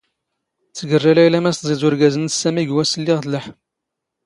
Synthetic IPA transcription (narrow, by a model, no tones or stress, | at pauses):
t͡sːəɡərˤːælæjlæmæst̪zˤizʊɾɡæzənsæmiɡwæsəlːɪʁθləħ